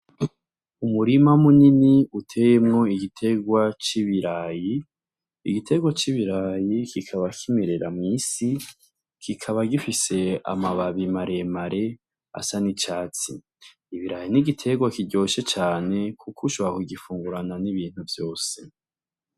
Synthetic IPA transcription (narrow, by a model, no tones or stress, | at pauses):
umuɾimamuniniutʰe̞jemŋo̞iɡitʰe̞ɡwat͡ʃiβiɾaːjḭː | ɡitʰe̞ɡwat͡ʃiβiɾaːjikikʰaβakʰimeɾe̞ɾamŋiːsi | kikʰaβaɡifise̞a̰maβaβimaɾe̞maɾʔe̞ | a̰sanit͡ʃaːt͡sḭː | βiɾajiniɡitʰe̞ɡwakiɟo̞ːʃe̞t͡ʃaːne̞kʰukʰuʃo̞βakuɡifuːŋɡuɾananiβiːn̥uvjo̞ːse̞